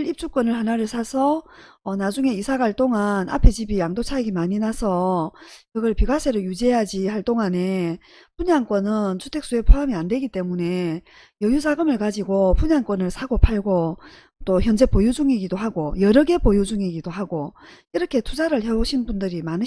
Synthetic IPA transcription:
ɾip̚t͡ɕ͈uk͈ʌnɯɭhanaɾɯɭsʰasʰʌː | nad͡ʑuŋe̞isʰaɡaɭt͈oŋanʔa̰pʰe̞d͡ʑibijaŋdot͡ɕʰaeɡimaɲinasʰʌkɯɡʌɭpiɡasʰe̞ɾɯjud͡ʑejad͡ʑihaɭt͈oŋane̞ | puɲaŋk͈ʌnɯnt͡ɕʰutʰe̞k̚s͈ue̞pʰoamiandwe̞ɡit͈e̞mune̞ | jʌjus̬ʰaɡɯmɯɭkad͡ʑiɡopuɲaŋk͈wʌnɯɭsʰaɡopʰaɭɡo | t͈oçjʌnd͡ʑe̞pojud͡ʑuŋiɡidoɦaɡojʌɾʌɡe̞pojud͡ʑuŋiɡidoɦaɡoiɾʌkʰe̞tʰud͡ʑaɾɯɭhe̞oɕʰinbundɯɾimanɯ

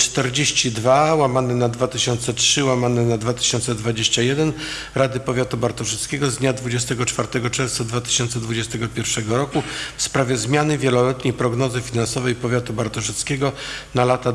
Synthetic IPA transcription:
t͡ʂt̪ɛɾd͡ʑeɕt͡ɕid̪vawamanɛnad̪vat̪ɘɕɔnt̪sɛtʂɘwamanɛnad̪vat̪ɘ̥ɕɔnt̪sɛd̪vad͡ʑeɕt͡ɕajɛd̪ɛn | ɾad̪ɘpɔvʲjat̪ubaɾt̪ɔʐɛt̪skʲɛɡɔzd̪ɲad̪vud͡ʑɛst̪ɛɡɔt͡ʂfaɾt̪ɛɡɔt͡ʂɛɾft̪sad̪vat̪ɘ̥ɕɔnt̪sɛd̪vud͡ʑɛst̪ɛɡɔpʲjɛɾfʂɛɡɔɾɔkufspɾavʲjɛzmʲjanɘvʲjɛlɔlɛt̪ɲejpɾɔɡnɔzɘfʲinansɔvɛjpɔvʲjat̪ubaɾt̪ɔʐɛt̪skʲɛɡɔnalat̪a

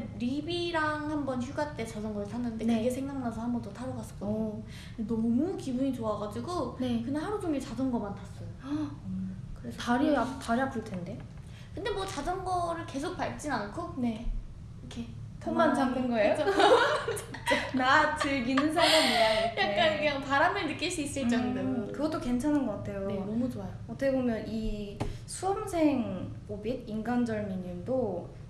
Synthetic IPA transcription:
ɾibiɾaŋhambʌnçjuɡat͈e̞t͡ɕad͡ʑʌŋɡʌɯɭsʰanːɯnde̞ɯɡe̞sʰe̞ŋd͡ʑaŋnasʰʌhambʌndotʰaɾʌɡas͈ʌ̥k͈o | enʌmukibuɲit͡ɕoaɡad͡ʑiɡonekɯnahaɾud͡ʑuŋet͡ɕad͡ʑʌnɡʌmantas͈ʌjo | kɯɾe̞sʰʌaɾiataɾapʰuɭtʰe̞nde̞ | kɯnde̞mwʌt͡ɕad͡ʑʌnɡʌɾɯɭke̞sʰok̚paɭ̚t͡ɕ͈inankʰone | kʰe | tʰoŋmant͡ɕaŋɡɯnɡʌejo | t͡ɕt͡ɕ͈anatɯɭɡinɯnsʰaɾamiajakkk͈ankɯɲaŋpaɾamʌnːɯk͈iɭs͈uis͈uit͡ɕ͈ʌŋɡdekɯɡʌt͈oke̞nt͡ɕʰananɡʌk͈atʰe̞joenʌmut͡ɕoajoʌt͈ʌkʰebomjʌnisʰuʌmsʰe̞ŋpobid̚inɡand͡ʑʌɭmiɲːimdo

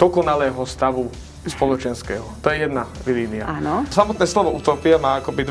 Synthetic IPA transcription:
d̪̥ɔkɔnalɛːɦɔst̪aʋu | spɔlɔt͡ʃɛnskɛːɦɔt̪ɔjɛjɛd̪naʋiliːnia̰aːnɔsamɔt̪nɛːslɔʋɔut̪ɔːpɪamaːakɔbid̪

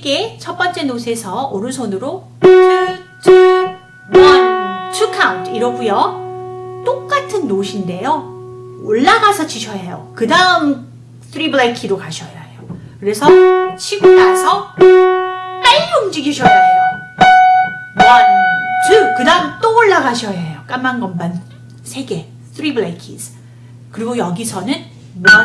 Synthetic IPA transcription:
ke̞t͡ɕʰʌp͈ʌnt͡ɕ͈e̞nos̬ʰe̞sʰʌonɯnsʰʌnɯɾo | ɯtɯ | wʌntʰukʰawntʰiɾʌɡujʌ | t͈ok̚k͈atʰɯnːoɕʰinde̞jo | oɭːaɡasʰʌt͡ɕiɕʰʌjajo̰kɯdaɯm | sʰɾibɯɭekʰiɾokaɕʰʌjajo | kɯɾe̞sʰʌɕʰiɡuɾasʰʌ | p͈aomd͡ʑiɡiɕʰʌjʌoo | mʌnt͡ɕɯkɯdaɯmt͈ooɭːaɡaɕʰʌjajok͈amːanɡʌmban | sʰe̞ɡe̞ | tʰɾibɯɭekʰisʰ | kɯɾiɡojʌɡisʰʌnɯn | mua

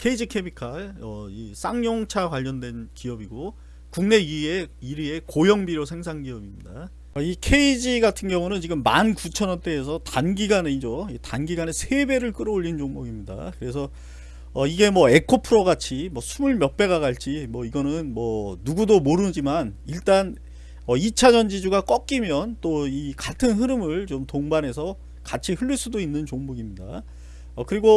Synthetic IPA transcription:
kʰe̞id͡ʑikʰe̞bikʰaɭʌis͈aŋɲoŋt͡ɕʰakwaʎːʌndwe̞nkiʌbiɡo | kuŋne̞ieiɾie̞kojʌŋbiɾjosʰe̞ŋsʰaŋɡiʌbimɲida | aikʰe̞id͡ʑiɡatʰɯnɡjʌŋunɯnt͡ɕiɡɯmːankut͡ɕʰʌnʌnt͈e̞ːs̬ʰʌtanɡiɡaneid͡ʑoitanɡiɡanesʰebe̞ɾɯɭk͈ɯɾʌoʎːind͡ʑoŋmʌɡimɲida̰kɯɾe̞s̬ʰʌ | ʌiɡe̞mwʌe̞kʰopʰɯɾoɡat͡ɕʰimwʌsʰumɯɭmjʌp͈e̞ɣaɣaɭt͡ɕ͈imwʌiɡʌnɯnmwʌnuɡudomoɾɯd͡ʑimaniɭt͈an | ʌit͡ɕʰad͡ʑʌnd͡ʑid͡ʑuɡak͈ʌk͈imjʌnt͈oikatʰɯnɦɯɾɯmɯɭt͡ɕomtoŋbanɦe̞s̬ʰʌ | kat͡ɕʰihɯɭːiɭs͈udoinːɯnt͡ɕoŋmoɡimɲida̰ | ʌkɯɾiɡo

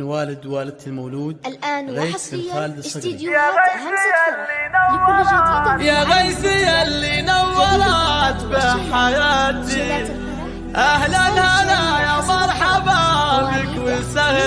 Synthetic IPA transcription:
nwaːlɪd̪waːlɪd̪lmawluːd̪lʔaːnɣaːsxaːlɪd̪sˤːjaɣajsɪalːinawː | jaɣajsɪjalːinawːɑɾˤɑt̪bɪħajaːt̪i | ʔahlanhanajamɑɾˤħababɪkwɪlsah

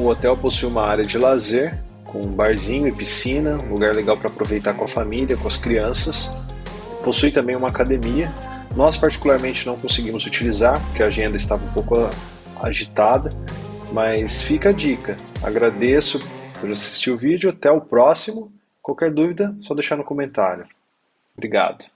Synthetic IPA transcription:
ʊot̪ɛwposujũmɐaɾjɐd͡ʒɪlazeɾ | kʰõbaɾzĩɲʊɪpisĩnɐũluɡaɾleɡawpɾɐːpɾovejt̪aɾkõɐfamiliɐkõɐskɾiɐ̃sɐs | posujt̪ɐ̃mbẽj̃ũmɐakad̪emiɐ | nɔspaɾt͡ʃi̥kulaɾmẽnt͡ʃɪnɐ̃w̃kõsɪɡĩmʊzut͡ʃilizaɾpoɾkeaʒẽnd̪ɐɪst̪avɐũpowkʊ | a̰ʒit̪ad̪ɐmɐsfikɐd͡ʒikɐa̰ɡɾad̪esʊpoɾasi̥st͡ʃiʊvid͡ʒʊat̪ɛʊpɾɔsimʊ | kwawkɛɾd̪uvid̪ɐsɔd̪ejʃaɾnʊkomẽnt̪aɾjʊ | bɾiɡa̰d̪ʊ̥

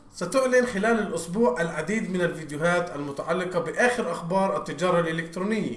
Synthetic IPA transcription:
sat̪ʊʕlɪnxɪlaːlalʔʊsbuːʕʔalʕad̪iːd̪mɪnalviːd̪jʊɦaːt̪almʊt̪aʕalːɪqɑbɪʔaːxɪɾʔaxbɑːɾˤʔat̪ːɪd͡ʒɑːɾˤɑlʔɪlɪkt̪ɾuːnɪjːa

